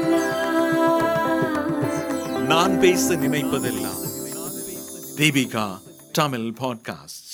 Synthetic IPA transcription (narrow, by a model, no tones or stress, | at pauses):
naːnpeːsɐnɪnɐjpːɐðɐlːɐ̰ | d̪ibika | ʈɐmɪlpoːɖ̚ka̰ːsʈ